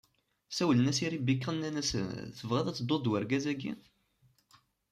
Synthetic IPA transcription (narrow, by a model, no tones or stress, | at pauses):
sæwlənæsiɾibikːʁənːænæsə̰nθəvʁæðæt͡sːəd̪ˤːod̪wæɾɡæzæɡːḭ